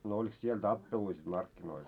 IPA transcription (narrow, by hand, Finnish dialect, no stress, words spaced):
no olik siel tɑpːelui sit mɑrkːinoil